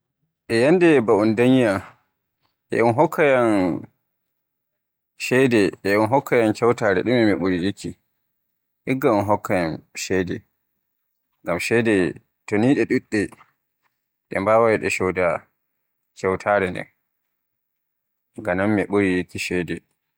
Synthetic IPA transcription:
ʔɛjandɛbaundaɲja | ʔɛ̰ʔunɦɔkːajan | ʃɛdɛʔɛunɦɔkʰːajankɛwtaːɾɛ̰ɗumɛmiɓuɾijikːi | ʔiɡːaunɦɔkʰːajanʃɛjdɛ | ŋɡamʃɛdɛ | toniːɗɛɗuɗːɛ | ɗɛ̰mbawajɗɛʃɔwda | kɛwtʰaɾɛndɛ̰n | ŋɡanamːiɓuɾijikːiʃɛdɛ

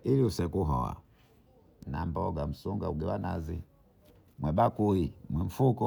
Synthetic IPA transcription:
iliusɛkuɦɔ̰a̰ | na̰mbɔɡam̩suŋɡauɡɛlwanazi | mwɛbakuimwɛɱ̩fukɔ

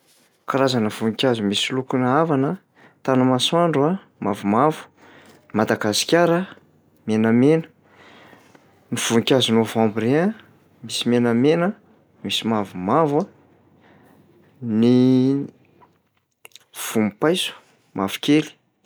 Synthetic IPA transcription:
kaɾazanəv̥unikʲazumisilukunavanə | t̪anəmaswaɳɖ͡ʐua | mavumavu̥ | imad̪aɡasi̥kʲaɾə | menəmenə̥ | niv̥unikʲazunovãmbiɾea | misimenəmenə | misimavumava | ni | v̥umpajsu̥ | mʔavu̥kʲeli̥

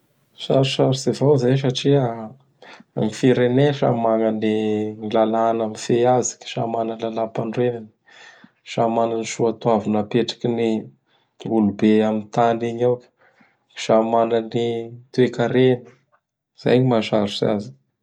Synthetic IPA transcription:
saɾusaɾusevawzajs̬aʈ͡ʂia | mifiɾeneʃa̰mananinilalanamifeazi̥ki̥ʃamananlalapaɳrenani̥ | ʃamananiʃuat̪uavunapeʈ͡ʂḁkini | ulubeamint̪aniɲawkʲə̥ | ki̥ʃamananit̪uekaɾenə̥ | z̥a̰jɲimaʃaɾusa̰zi̥

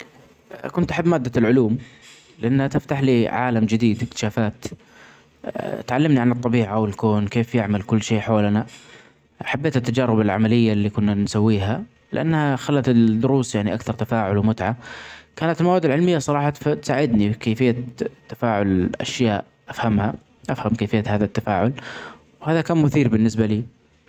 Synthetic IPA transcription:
kʊnt̪ʔaħabːmaːd̪ːalʕʊluːm | lɪʔanːhat̪ɪft̪aħliːʕa̰ːlamd͡ʒɪd̪iːd̪ɪkt̪ɪ̥ʃaːfaːt̪ | t̪ʕalːamniʕanɨt̪ˤːɑbiːʕawɪlkoːnkeːfjɪʕmalkʊlːʃeːʔħoːlna | ħabːeːt̪ɪt̪ːad͡ʒɑːɾɪbɪlʕa̰malɪjːalːiːkʊnːansawːiːɦa | lɪʔa̰nːhaxalːat̪ɪd̪ːʊɾuːsjaʕniʔakθɑɾˤt̪afaːʕʊlwmʊt̪ʕakaːnat̪ɪlmawad̪ːɪlʕɪlmɪjːasˤɑɾˤɑːħɑt̪ft̪saːʕɪd̪nikeːfɪjːat̪ːafaːʕʊlʔa̰ʃjaːʔ | ʔafhamha | ʔafhamkeːfɪjːahaːðat̪ːafaːʕʊl | whaːðakaːnmʊθiːɾbɪnːɪsbaliː

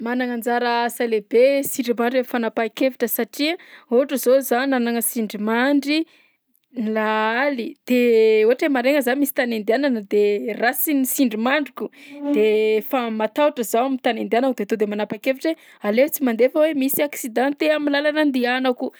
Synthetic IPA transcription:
manaŋand͡zaɾəsalebesiɳɖ͡ʐimaɳɖ͡ʐeffanapakeviʈ͡ʂəsaʈ͡ʂiəoaʈ͡ʂəzozannanaŋəsiɳɖ͡ʐimaɳɖ͡ʐi | nilaalid̪̥euɦaʈ͡ʂemaɾeŋəzanmisi̥t̪anend̪iananəd̪erasinisiɳɖ͡ʐimaɳɖ͡ʐukud̪efamat̪auʈ͡ʂəzawamint̪anend̪ianakud̪et̪od̪emanapakefiʈ͡ʂe | alet͡simand̪efəwemisiaksid̪ãnt̪eamilalanand̪ianaku

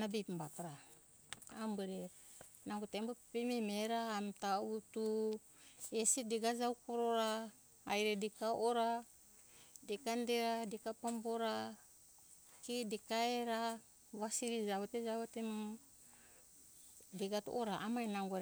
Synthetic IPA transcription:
nabipmbatɾaː | mbeɾe | naŋɡotembeppimimeɾaːmtautu | esedeɡad͡ʒawkoɾoɾaː | jɾedikaʔoɾa | dekandeɾadikapamboɾa | kidikaeɾa | βasiɾid͡ʒaβeted͡ʒaβetem | deɡatṵʔoɾaʔamajnaŋɡoɾ

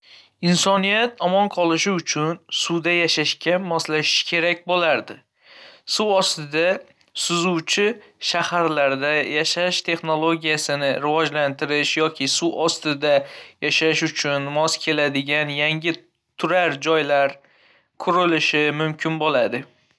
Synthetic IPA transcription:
ɪnsɒnijat̪ʰɒmɒnqʰɒlˠɪʃɪʊt͡ʃʰʊnsud̪ajaʃaʃkʲamɒslaʃɪ̥ʃkʲʰe̞ɾak̚ʲbolaɾd̪ɪ | suwɒst̪ɪd̪a | sʊzuwt͡ʃʰɪ | ʃahaɾlaɾd̪ajaʃaʃt̪ʰe̞χno̞lˠo̞ɡʲijasɪnɪɾɪvɒd͡ʒlant̪ʰɪɾɪʃjɒkʲʰɪsuʔɒst̪ɪd̪ajaʃaʃʊt͡ʃʰʊnmɒskʲʰe̞lad̪ɪɡʲanjaŋʲɪ | t̪ʰʊɾaɾd͡ʒɒjlaɾ | kʰʊɾɪlɪʃɪmʊmkʲʰɪnbolad̪ɪ

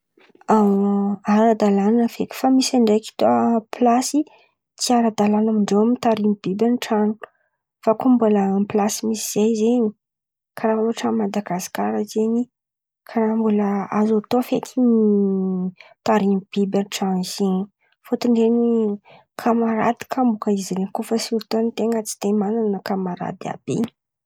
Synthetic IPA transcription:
a | aɾad̪alananəfekʲi̥famisaɳɖ͡ʐejki̥t̪opʰlasi | t͡siaɾad̪alanamiɳɖ͡ʐewamit̪aɾimib̥ibʲanʈ͡ʂanu̥ | fakombuləmplasimisiz̥ejzeɲi̥ | kʰaɾauaʈ͡ʂamad̪aɡasi̥kaɾazeɲi | kʰaɾambuləazat̪oafet̪ʰini | t̪aɾimib̥ibʲanʈ͡ʂanzeni̥ | fot̪iɳɖ͡ʐeni | kʰamaɾa̰d̪i̥kʰambukəiziɾenkofəsiɾt̪onit̪eŋət͡si̥t̪emananəkamaɾa̰d̪ia̰b̥ḛ

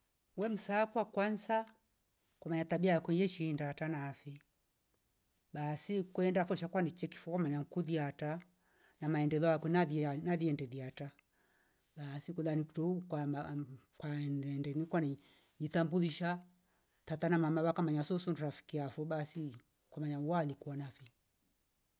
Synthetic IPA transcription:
wɛm̩saːkwakwansa | kamaɲat̪abiajakwɛɲd͡ʒɛʃindatanaːfi | ɓasikwɛndafɔʃ̬akwanit͡ʃɛki̥fɔkamaɲaŋkuðiata | namaɛndɛlɔakwɛaðinaðiɛndɛðiata | ɓasikuðanikutɔuka | kwanɛndɛnikwani | ɲiθambuliʃa | t̪atanamamaβakamaɲasɔsunuɾafi̥kiafɔɓasi | kwamaɲawalikuanafi

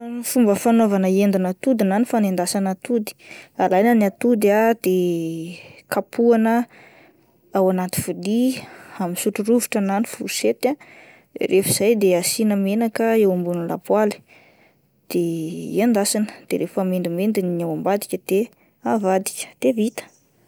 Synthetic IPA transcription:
fumbəfanovanəend̪inat̪ud̪inanifanend̪asanat̪ud̪i̥alajnəniat̪ud̪ad̪̥e | kʰapʰuanə | awanat̪i̥fud̪iamisuʈ͡ʂuɾuviʈ͡ʂanani̥fuset̪a | rʔefiz̥ajd̪easinəmenakəewambunila̰pwali̥ | d̪̥eiand̪asanəd̪̥ḛɾefamend̪imend̪iniawambad̪ikʲəd̪̥e | avad̪i̥kʲə̥d̪̥evit̪ə̥

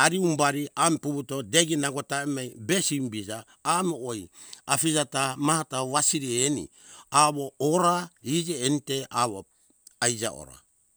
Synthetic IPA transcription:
aɾiumbaɾiampubutodeɡinaɡotaemajbesimbid͡ʒaː | mooj | afid͡ʒatamahataβasiɾienḭ | aβooɾaid͡ʒeːniteaβo | ajd͡ʒa̰o̰ɾa̰

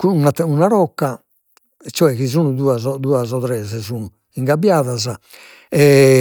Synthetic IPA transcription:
kunaunaɾɔkːa | t͡ʃːɔɛkizuːnuðuːazɔd̪uːazɔt̪ɾɛzɛzuːnu | iŋɡabːjaːðaza | ɛ

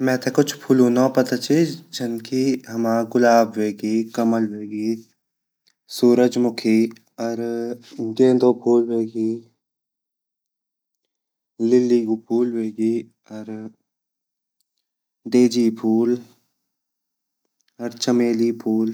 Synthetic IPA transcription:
mɛ̃ːt̪ekʊt͡ʃʰpʰuːlũːnapɐt̪at͡ʃʰid͡ʒɐnkiɦɐmaːɡʊlaːbweːɡiːkɐməlweːɡiː | suːɾəd͡ʒmʊkʰi | ɔɾ | ɡẽːnd̪opʰuːlweːɡiː | lɪlːiɡupʰuːlweːɡiː | ɔɾ | d̪eːd͡ʒipʰuːl | ɔɾt͡ʃəmeːlipʰuːl

